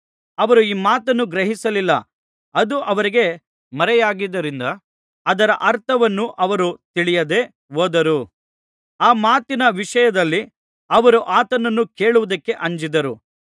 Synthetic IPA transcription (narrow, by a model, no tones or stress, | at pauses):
ɐʋɐɾuiːmaːt̪ɐnːuɡɾɐɦisɐlilːɐ̰ | ɐd̪uʔɐʋɐɾiɡe̞ | mɐɾɛjaːɡid̪ːɐɾind̪ɐ | ɐd̪ɐɾɐʔɐɾt̪ʰɐʋɐnːuʔɐʋɐɾut̪iɭijɐd̪e̞ | oːd̪ɐɾu | aːmaːt̪inɐʋiʂɐjɐd̪ɐlːi | ɐʋɐɾuʔaːt̪ɐnɐnːuke̞ːɭuʋud̪ɐkːe̞ʔɐɲd͡ʒid̪ɐɾu